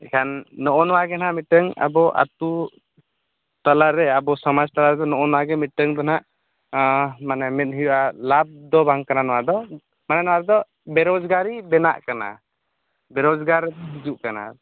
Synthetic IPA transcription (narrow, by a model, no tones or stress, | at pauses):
ɛkʰanːɔʔɔnɔwaɡɛnaʔmiʈəŋa̰bɔʔa̰t̪u | t̪alaɾɛabɔsɔmad͡ʒt̪alaɾɛd̪ɔnɔʔɔnɔwaɡɛmiʈəŋd̪ɔnaʔ | manɛmɛt̪̚ɦujɔʔalab̚d̪ɔbaŋkananɔwad̪ɔ | manɛnɔwaɾɛd̪ɔ | bɛɾɔd͡ʒɡaɾibɛna̰ʔkana̰ | bɛɾɔd͡ʒɡaɾid͡ʒuʔkana̰